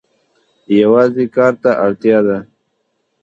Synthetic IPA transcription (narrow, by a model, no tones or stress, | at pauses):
jawɑːzekɑːɾt̪aʔaɽt̪jɑd̪a